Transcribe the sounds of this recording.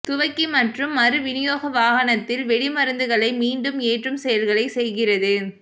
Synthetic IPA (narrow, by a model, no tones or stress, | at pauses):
t̪ʊʋɐɪkːimɐʈrɯmɐɾɯʋɪnɪjoːɣɐʋaːɣɐnɐt̪ːɪlʋɛɽɪmɐɾɯnd̪ɯɣɐɭɐɪmiːɳɖɯmeːʈrɯmsɛjɐlɣɐɭɐɪsɛjɣɪrɐðɯ